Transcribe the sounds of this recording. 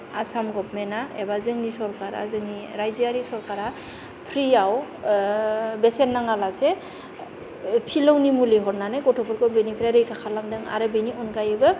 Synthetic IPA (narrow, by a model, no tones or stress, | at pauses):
asamɡɔp̚mɛnaɛbazɯŋnisɔɹkaɾa̰zɯŋniɾajziaɾisɔɹkaɾa | pʰɾiaw | bɛsɛnːaŋalasɛ | pʰilɯwnimuliɦɔɹnanakɔtʰɔpʰɔɾkɔbenipʰɾaɾɯjkʰakʰalamdɯŋa̰ɾɯbeniʔɔnkajɯbɯ